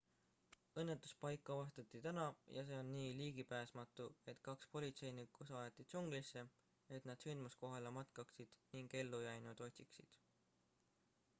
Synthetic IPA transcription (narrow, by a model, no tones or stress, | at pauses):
ɤ̞nːe̞t̪ːˑu̥spɑjkːˑɑvɑst̪ɑt̪ːˑit̪ænɑjɑse̞ːonːiːliːɡ̥ipæːsmɑt̪ːˑue̞t̪ˑkɑkspo̞lʲit̪se̞jnikusɑjet̪ːˑid̪̥suŋɡ̥lisːe̞ | e̞t̪nɑd̪̥synmusko̞ɦɑlemɑt̪kɑksid̪̥niŋɡ̥e̞lːujæjnud̪̥o̞t̪ʲsiksid̪̥